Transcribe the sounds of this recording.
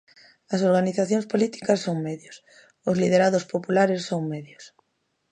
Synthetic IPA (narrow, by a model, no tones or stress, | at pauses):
ɐsoɾɣaniθaθjõŋspolit̪i̥kɐsːoŋmeðjʊs | ʊzlið̞eɾaðospopulaɾesːoŋmɛðjos